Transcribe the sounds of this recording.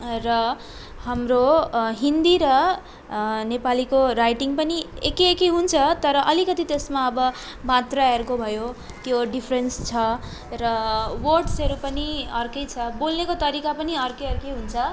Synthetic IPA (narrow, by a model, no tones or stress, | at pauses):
rʌ | hamroɦind̪iɾʌ | nepalikorajʈiŋɡpʌniekiekiɦunt͡sʰʌt̪ʌɾʌʔʌlikʌt̪it̪esmaʌbʌ | mat̪raerkobʱʌjo | t̪joɖipʰrenst͡sʰʌ | rʌworʈsʌɾupʌniʌrkʌjt͡sʰʌbolnekot̪ʌɾikapʌniʌrkʌjʌɾkejɦunt͡sʰʌ